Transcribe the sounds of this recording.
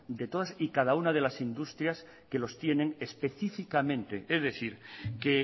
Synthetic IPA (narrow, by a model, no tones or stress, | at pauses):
d̪e̞t̪o̞ðasikað̞aunað̞e̞lasind̪ust̪ɾjas | ke̞lo̞st̪je̞nẽ̞ŋespe̞θifikamẽnt̪e̞ezðe̞θiɾke